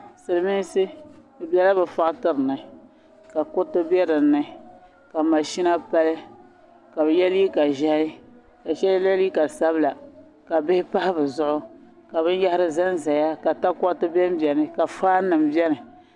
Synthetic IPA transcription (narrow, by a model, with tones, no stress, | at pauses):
sɨ˨ɾɨ˨mi˦n˦sɨ˦bɨ˨bɛ˨˦la˦bɨ˨fa˦˨ʔtɨ˦ɾɨ˨nɨ˨ | ka˨kʊ˦tɨ˦bɛ˦dɨ˨˦nːɨ˦˨ | ka˨ma˨ʃi˦na˦pa˦lɨ˦ | ka˨bɨ˨jɛ˦li˦ka˨ʒa˦hi˦ | ka˨t͡ʃɛ˦llɛ˦li˦ka˨lsa˦bla˨ | ka˨bɪ˦hɪ˦pa˦hɪ˦bɨ˨zʊ˦ʔʊ˦ | ka˨βɨ˦n˦ja˦hɪ˦ɾɨ˦za˦n˦za˨ja˦ka˨ta˦kɔ˦ʔtɨ˦bɛ˦m˦bɛ˨nɨ˦ka˨faː˦nɨ˨m˦bɛ˦nɨ˨